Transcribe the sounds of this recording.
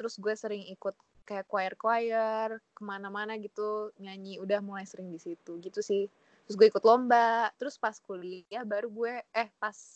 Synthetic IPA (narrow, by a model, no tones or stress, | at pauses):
t̪əɾʊsɡuɛsəɾɪŋikʊt̪̚ | kajakwajərkwajərkəmanamanaɡit̪uɲaɲiudahmolajsəɾɪŋdisit̪uɡit̪usɪh | t̪ɾʊs̬ɡuɛikʊt̪lombat̪əɾʊspaskuliahbaɾuɡuɛɛhpas